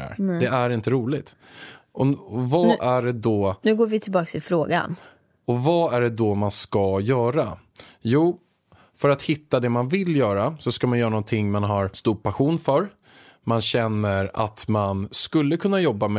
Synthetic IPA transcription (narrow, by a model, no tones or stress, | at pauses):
æ̰ɾd̪ɛæɾɪnt̪əɾuːlɪt̪ | ɔɔvaʔæɖɛd̪ɔnʉːɡoːɾvɪt̪ʰɪlbɑːksɪfɾoːɡa̰n | ɔvaæɖɛd̪ɔmanskajœːɾa | juː | fœɾat̪hɪt̪ːad̪ɛmanvɪljœːɾasɔskamanjœːɾanɔnt̪ʰɪŋːmanɦaɾst̪uːɾpʰaɧuːnfœɾ | manɕɛnːəɾa̰t̪manskɵlːəkʰɵnːajɔbːam